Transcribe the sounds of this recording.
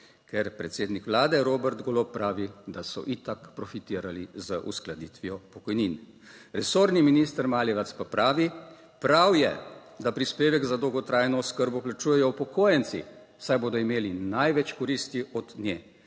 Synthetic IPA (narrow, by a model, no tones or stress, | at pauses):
kɛɾpɾɛt̪seːd̪nikʋlaːd̪ɛɾoːbɛɾd̪ɡɔloppːɾaːʋid̪asɔ̰ʔit̪akpɾɔfit̪iːɾalizəʔṵsklad̪iːt̪ʋijɔpɔkɔjnin | ɾɛsoːɾniminist̪əɾmaːljɛʋat̪spapɾaːʋi | pɾawjɛ̰d̪apɾispeːʋɛɡzad̪ɔwɡɔt̪ɾajnɔːskəɾbɔplat͡ʃuːjɛjɔwpɔkʰoːjɛnt̪sḭ̥ | sajboːd̪ɔimeːlinajʋɛt͡ʃkɔɾist̪iɔd̪njɛː